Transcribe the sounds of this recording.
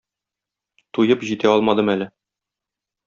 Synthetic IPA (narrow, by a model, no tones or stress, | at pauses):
t̪ujɤpʑit̪æɒlˠmɑd̪ɤmælɘ